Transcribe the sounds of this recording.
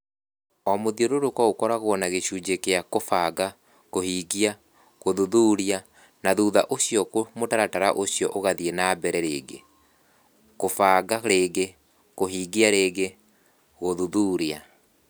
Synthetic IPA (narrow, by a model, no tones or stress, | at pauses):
ɔmoðioɾoɾokwaokɔɾaɣwɔnaɣeɕuːd͡ʑekeakofaɡa | kohiːɡia | ɣoðuðuːɾia | naðuːðaʔoɕjɔkomotaɾataɾaʔoɕjɔʔoɣaðienabɛɾɛɾḛːɡḛ | kofaɡaɾeːɣe | koɦiːɡiaɾeːɣe | ɣoðuðuɾia